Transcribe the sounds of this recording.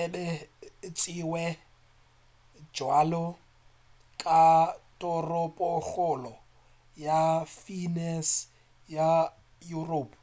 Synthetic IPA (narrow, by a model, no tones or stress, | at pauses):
ɛbɛt͡sʼiwɛ | d͡ʒwalɔ | kʼatʼɔrʊpʼɔk͡xʊlɔ | jafinɛs | ja | juroːpʰ